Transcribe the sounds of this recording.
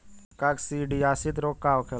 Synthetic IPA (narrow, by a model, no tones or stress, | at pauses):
kaksiːɖiːaːsɪd̪ɾoːkːaːokʰel